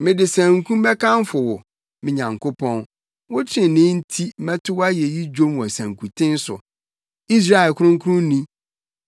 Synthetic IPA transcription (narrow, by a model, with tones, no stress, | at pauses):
mɪ̃˨dɪ˨sæ̃˨ŋ˦kʰũ˦m˦bɛ˦kʰã˦n˦fʊ˨wɔ˨ | mɪ̃˨ɲã˨ŋkʰʊ˦pʰɔ̃˦n | wʊ˦t͡ɕʰɪ̃˨nɪ̃˦n̩˦tʰi˦mɛ̃˦tʰʊ˦wa˦jɛ˨ji˦d͡ʑᶣõ˦mwɔ̃˨sæ̃˨ŋkʰu˨tʰɪ̃˦n˦sʊ̰˨ | i˦s̬ɾa˦ɛ˨lkʰʊ˦ɾʊ̃˦ŋ˦kʰɾʊ̃˦n˦nĩ˦